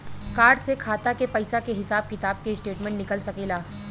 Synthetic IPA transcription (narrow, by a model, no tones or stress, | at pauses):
kaːɾɖsekʰaːt̪akepɐɪsakeɦɪsaːb̚kɪt̪aːb̚keɪsʈeːʈmɛ̃ɳʈnɪkəlsɐkeːlaː